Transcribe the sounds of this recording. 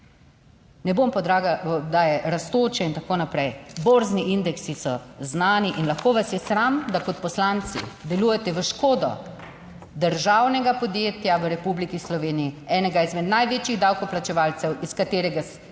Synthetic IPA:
nɛbompɔd̪aɡad̪aːjɛɾast̪oːt͡ʃɛint̪akoːnapɾɛjboɾzniind̪ɛksisɔznaːniʔinlaxkoːʋasjɛsɾamd̪akɔt̪̚pɔslant̪sḭd̪ɛluːjɛt̪ɛʋəʃkoːd̪ɔ̰ | d̪əɾʒawnɛɡapɔd̪jeːt̪jaʋəɾɛpublikislɔʋeːnijiɛːnɛɡaizmɛd̪najʋeːt͡ʃiɣd̪awkɔplat͡ʃɛʋaːlt͡s̪ɛwiskat̪eːɾɛɡa

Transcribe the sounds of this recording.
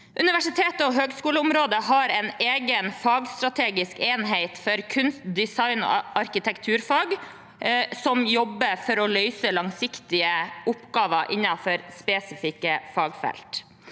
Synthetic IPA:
ʔʉnɪʋæʂɪt̪ʰeːt̪əɔɦøːɡskuːləʊmɾoːd̪əɦɑɾɛneːɡənfɑːɡst̪ɾɑt̪ʰeːɡɪskeːnɦeɪt̪fɔɾkʰʉnst̪d̪ɪsɑɪnɔ̰ʔɑɾkɪt̪ʰɛkt̪ʰʉːɾfɑːɡ | sɔmjɔbːəfɔɾɔlœʏsəlɑŋsɪkt̪ɪəʔʊpɡɑːʋəʔɪnːɑfɔɾspeːsɪfɪkːəfɑːɡfɛ̰lt̪

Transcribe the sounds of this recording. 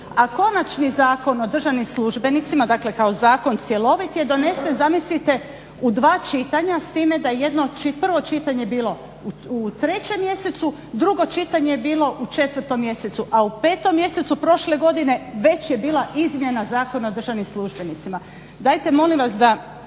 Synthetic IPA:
ako̞nat͡ʃnizaːko̞no̞d̪r̩ʒaʋnimslˠuʒbe̞nit̪simad̪aːkle̞kao̞zaːko̞nt̪sje̞lˠo̞ʋit̪je̞d̪o̞ne̞sezamislit̪e̞ | ud̪ʋaːt͡ʃit̪aɲast̪iːme̞d̪ajeje̞d̪no̞t͡ʃipr̩ʋo̞t͡ʃit̪aɲebiːlo̞ | ut̪ɾe̞t͡ɕe̞mːje̞se̞t̪su | d̪ɾuɡo̞t͡ʃit̪aɲejebiːlo̞ʔut͡ʃe̞t̪ʋər̩t̪o̞mːje̞se̞t̪suʔaupe̞ːt̪o̞mːje̞se̞t̪supɾo̞ʃle̞ɡo̞d̪ine̞ʋe̞t͡ɕjebiːlaʔizmje̞nazaːko̞naod̪r̩ʒaʋnimslˠuʒbe̞nit̪sima | d̪aːjt̪e̞mo̞limʋasd̪a

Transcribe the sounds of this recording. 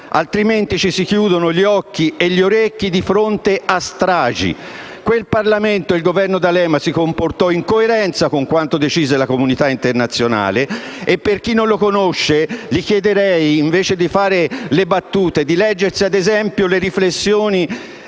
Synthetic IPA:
a̰lt̪ɾiment̪it͡ʃisikjuːd̪onoʎiɔkːieʎːioɾekːid̪ifɾont̪east̪ɾaːd͡ʒḭ | kwelparlament̪oilɡovɛrnod̪alɛːmasikomport̪ɔiŋkoeɾɛnt̪sakoŋkwant̪od̪et͡ʃiːzelakomunit̪aint̪ernat̪sːjona̰ːleːpːerk̟inːõnlokonoʃːelik̟jɛd̪eɾɛjːɱveːt͡ʃed̪ifaːɾelebat̪ːuːt̪ed̪ilɛd͡ʒːersiad̪ezɛmpjoleɾiflesːjoːni

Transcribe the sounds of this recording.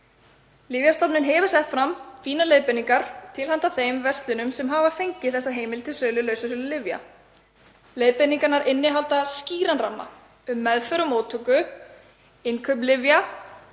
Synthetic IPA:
lɪvjast̪ɔpnɪnɦɛvʏ̥sɛht̪fɾamfiːnalejðpɛniŋkaɾ̥t̪ʰɪlɦant̪aθejmvɛst̪lɪnʏmsɛmɦaːvafejɲcɪθɛsːaɦeːjmɪlt̪ʰɪlsœːlʏlœːɥsʏsœːlʏlɪvja̰ | lejðpɪniŋkaɾnaɾɪnːɪɦalt̪asciːɾanramːa̰ | ʏmːɛðfœɾʏmoːwt̪ʰʏkʏ | ɪnkʰœpnlɪvja

